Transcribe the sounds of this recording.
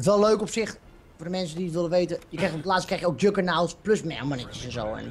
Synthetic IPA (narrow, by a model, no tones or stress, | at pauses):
ətʋɛlˠløːkɔpsɪxt | fordəmɛns̬ədiətʋɪlˠəʋeːtəjəkrɛjxtopətlaːstkrɛxjəok̚døkənawˠspløsmɛ̰manɛkjəsɛnzo̰ːɛ̰n